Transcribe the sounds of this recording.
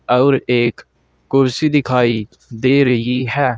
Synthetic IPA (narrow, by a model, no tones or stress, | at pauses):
ɔːɾeːkː | ʊɾsid̪ɪkʰaːi | d̪eːɾəɦiɦɛː